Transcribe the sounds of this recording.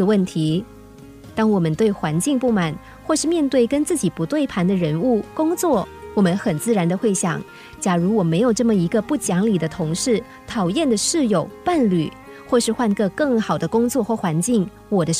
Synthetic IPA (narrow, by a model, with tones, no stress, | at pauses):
wə˥˩nt̪ʰi˧˥ | t̪ɑ˥ŋwɔ˨˩mə˦nt̪we˥˩ɪxwa˧˥nt͡ɕi˥˧ŋpu˥˩ma˨˩˦n | xwɔ˥˧ʂɻ̩˥˧mjɛ˥˧nt̪we˥˩ɪkə˥nt͡sɹ̩˥˩t͡ɕi˨˩pu˧˥t̪we˥˩ɪpʰa˧˥nd̪ə˧ɻə˧˥nu˥˩kʊ˥ŋt͡swɔ˥˩wɔ˨˩mə˧˦nxə˨˩nt͡sɹ̩˥˩ɻa˧˥nd̪ə˧xwe˥˩ɪɕjɑ˨˩˦ŋ | t͡ɕja˧˥ɻu˧˥wɔ˨˩me˧˥ɪjo˨˩ʊʈ͡ʂɤ˥˩mə˩i˧˥ɡə˧pu˥˩t͡ɕjɑ˧˥ŋli˨˩d̪ə˦t̪ʰʊ˧˥ŋʂɻ̩˥˩ | t̪ʰɑ˨˩ʊjɛ˥˩nd̪ə˩ʂɻ̩˥˩jo˨˩˦ʊpa˥˩nly˨˩˦ | xwɔ˥˧ʂɻ̩˥˧xwa˥˧nkɤ˥˧kɤ˥˩ŋxɑ˨˩ʊd̪ə˦kʊ˥ŋt͡swɔ˥˧xwɔ˥˩xwa˧˥nt͡ɕi˥˩ŋ | wɔ˨˩d̪ə˦